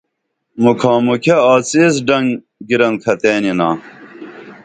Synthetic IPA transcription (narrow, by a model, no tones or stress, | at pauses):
mukʰãːmukʰeaːt͡sis̬ɖɐŋ | ɡiɾɐnkʰɐt̪eːninaː